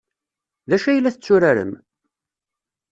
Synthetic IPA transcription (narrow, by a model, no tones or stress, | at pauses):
ðæʃæjəlːæθət͡sːʊɾaɾə̰m